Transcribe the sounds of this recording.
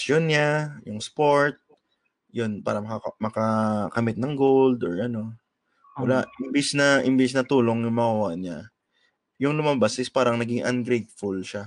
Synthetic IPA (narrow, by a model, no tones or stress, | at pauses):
sonɲajʊŋspoɹt̪̚ | jonpaːɾɐmɐkɐmɐkɐkɐmɪt̪̚nɐŋɡold̪oɹʔɐno̞ | wɐlaʔʔɪmbɪsnɐʔɪmbɪsnɐt̪uːlo̞ŋjʊŋmɐhɐwaɲa | jʊŋlʊmabasʔɪspaːɾɐŋnɐɡɪŋʔɐ̰nɡɾejt̪̚fulʃa